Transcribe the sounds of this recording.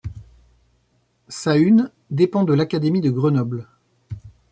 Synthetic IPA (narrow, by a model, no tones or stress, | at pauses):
sayn | d̪epɑ̃d̪əlakad̪emid̪əɡʁənɔbl